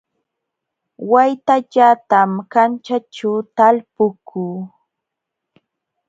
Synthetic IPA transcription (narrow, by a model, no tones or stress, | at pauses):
wajt̪aʎat̪amkant͡ʃat͡ʃawt̪alpʊkʰuː